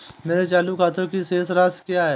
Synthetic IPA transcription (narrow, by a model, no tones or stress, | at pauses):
meːɾet͡ʃaːlukaːt̪okiseːsɾaːskjaːɦɛː